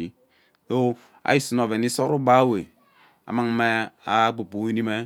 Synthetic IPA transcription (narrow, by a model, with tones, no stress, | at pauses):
i˨ | so˦ | a̰˨˦i˦si˨no˨ve˨ni˦so˦ɾu˦ba˦we˨ | a̰˨ma˦ŋme˦a˦bu˨bu˨˦i˦ni˦me˦